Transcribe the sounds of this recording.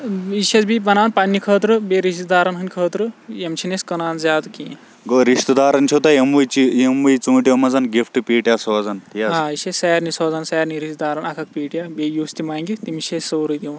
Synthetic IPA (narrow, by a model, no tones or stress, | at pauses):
iset͡sbibɐnaːwnpɐnːikʰəːt̪ɾɨbeɾist̪d̪aːɾɐnɦɐnʲkʰəːt̪ɾujemt͡ʃʰineskɐnaːnzʲaːt̪ukĩ | ɡoɾist̪ɐd̪aːɾɐnt͡ʃʰot̪ɐjemʋujt͡ʃijemʋujt͡suːʈjomɐd͡zɐnɡifʰʈɨpiːʈjasɔːd͡zɐnjaɦãːisessaːɾnisoːzɐnsaːɾniɾist̪̚d̪aːɾɐnɐkʰɐk̚piːʈjabejuːst̪imaːŋɡit̪imisessowɾud̪iw